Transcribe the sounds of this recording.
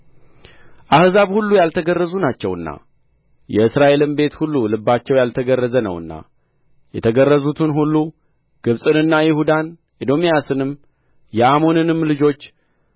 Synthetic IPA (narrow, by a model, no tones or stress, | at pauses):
ʔahzaβhulːujalt̪ʰəɡərːəzunat͡ʃːɛwɨnːa̰ | jɛɨsɾaʔe̞lɨmbe̞t̪hulːulɨbːat͡ʃːɛwjalt̪ʰəɡərːəzənə̰wɨ̰nːa̰ | jɛt̪ʰəɡərːəzut̪ʰɨnɦulːu | ɡ̥ɨβsʼɨnɨnːajɪhud̪an | ʔid̪o̞mijasɨnɨm | jɛʔamo̞nɨnɨmlɨd͡ʒo̞t͡ʃː